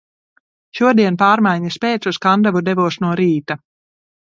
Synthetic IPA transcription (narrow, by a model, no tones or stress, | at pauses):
ʃuɔd̪iɛnpaːɾmajɲaspeːt̪suskand̪avud̪ɛvuɔsnuɔɾiːt̪a